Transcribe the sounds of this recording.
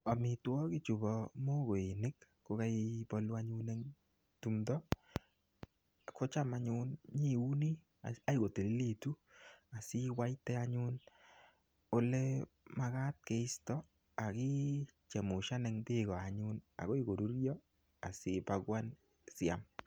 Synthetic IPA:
a˨mɪ˨twɔ˦ki˦t͡ʃu˨bɔ˨mo˦ɡo˨i˨nɪ˦k | ko˦ka˦ibɔ˦lwa˦ɲu˦nɛ˦ŋ | tu˨mdɔ˦ | ko˦t͡ʃa˦ma˨ɲʊ˦nɲi˦u˦ni˦ | a˦jɡo˨te˨li˦li˦˨tu˦a˨si˦wa˦jtɛ˦a˦ɲʊ˦n | o˦lɛ˦ | ma˦ɣa˦t̚ke˨ɪ˦stɔ˦ | a˨ki˦t͡ʃɛ˨mʊ˨ʃa˦nɛ˦ŋdɪ˦ɣɔ˨a˨ɲʊ˦na̰˨ɣo˦i˦ɡo˨ɾu˦ɾjɔ˦ | a˨sɪ˦pa˦ɡwa˦n | sɪa̰˨m

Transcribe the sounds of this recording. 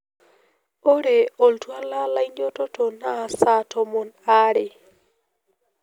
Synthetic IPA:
o˦ɾe˨o˨ltwa˦la˦la˦indo˦to˦to˨na˦˨sa˦tʰo˨mo˨na˦ɾe˨

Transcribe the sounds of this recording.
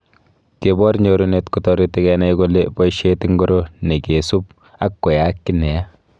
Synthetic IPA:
ke˨bɔ˦ɾɲoɾunetkɔtɔɾiti˦kɛna˦jko˦le˦pɔ˦ʃe˦ti˦ŋɡo˦ɾo˦ne˨ke˨su˦p̚ | a˦kːɔ˨ja˨kːi˦nɛ˨ja˦

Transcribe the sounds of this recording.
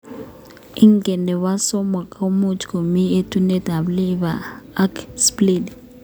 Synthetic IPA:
i˦ŋɡɛ˨nɛ˨wa˦sɔ˦ma˨kʼa˦u˦mu˦t͡ʃʰʼko˨mi˦e˦tʰu˦ne˦dʱa˨βli˦βaː˨˦kspli˨d

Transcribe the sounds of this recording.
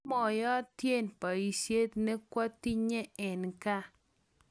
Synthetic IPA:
mɔ˨jɔ˦tje˦npa˨i˨sje˦t̪nɛ˦kwa˦ti˦ɲe˦ɛ˨nka˦

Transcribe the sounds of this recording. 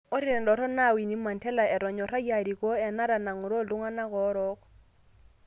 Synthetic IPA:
ɔ˦ɾi˦ɾɛ˨ndɔ˨ɾɔ˦na˦˨wi˨ni˦ma˨ntɛ˦la˨ɛ˨ɾɔ˨ɲɔ˨ɾa˦ja˨ɾi˨kɔ˦ɛ˨na˦ɾa˨na˨ŋu˨ɾɔ˦˨lu˦ŋa˦na˦kɔ˨˦ɾɔ˦k

